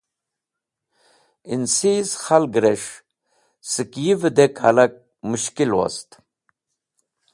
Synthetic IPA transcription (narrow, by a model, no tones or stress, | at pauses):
insisxalɡɾeʂ | sɨkjivəd̪ekʰa̰lak̚ | muʃkilwo̰st̪